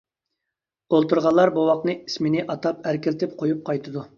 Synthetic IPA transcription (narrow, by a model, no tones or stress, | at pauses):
olˠt̪uɾʁɑllˠːɑɾbuwɑqnɨismɪnɪʔɑt̪ɑpæɾkʲɪlt̪ʰɪp̚qʰojup̚qʰɑjt̪ʰɨd̪u